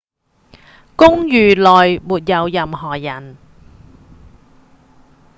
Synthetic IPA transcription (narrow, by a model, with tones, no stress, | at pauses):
kʊ˥ŋjyː˨˩lɔː˨jmuː˨˩t̚jɐ˨˧wjɐ˨mɦɔː˨˩jɐ˨˩n